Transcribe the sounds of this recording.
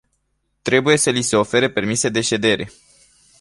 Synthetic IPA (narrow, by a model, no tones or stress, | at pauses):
t̪ɾe̞buje̞səlise̞o̞fe̞ɾepe̞rmise̞d̪e̞ʃe̞d̪e̞ɾe̞̰